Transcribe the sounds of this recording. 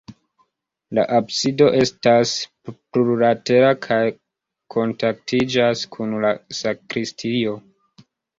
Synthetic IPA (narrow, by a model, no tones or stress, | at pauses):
la̰ʔabsido̞ʔe̞stas | pɾuɾate̞ɾakʰaj | kʰo̞ntak̚tid͡ʒaskʰunlasakɾistʰio̞